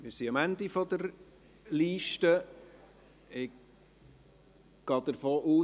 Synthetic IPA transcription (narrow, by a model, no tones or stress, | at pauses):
mɪːɾsiɑmænd̪ifɔd̪əɾ | liːʃtə | ɪk | ɡ̥ɑːd̪̥əɾfoːʔuː